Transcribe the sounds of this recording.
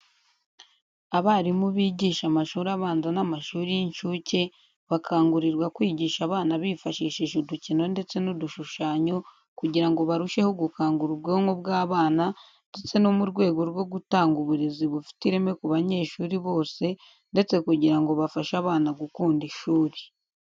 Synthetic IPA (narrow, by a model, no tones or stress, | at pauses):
aβaːɾimuβiːɟiːʃamaʃuːɾaβaːnzanamaʃuːɾijiɲʃuce̞ | βakʰaːŋɡuɾiɾɡwakwiːɟiːʃaβaːnaβifaʃiːʃiʃuducino̞nde̞t͡se̞nuduʃuʃaːɲo̞ | kuɟiɾaŋɡo̞βaɾuʃe̞ho̞ɡukaːŋɡuɾub̚ɡoːŋobɡaːβaːna | nde̞t͡se̞nomuɾɡwe̞ːɡo̞ɾɡwo̞ɡutaːŋɡuβuɾeziβufi̥tiɾe̞mekuβaɲe̞ːʃuːɾiβo̞ːse̞ | nde̞t͡se̞kuɟiɾaŋɡo̞βafaʃaβaːnaɡukuːndiʃuːɾi̥